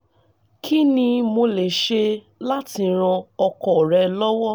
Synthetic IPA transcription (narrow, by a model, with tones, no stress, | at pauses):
kʰi˦nĩ˧mo˧le˨ʃe˧ | la˦ti˧ɾ̃ã˧ɔ˧kɔ˨ɾɛ˧lɔ˦wɔ˦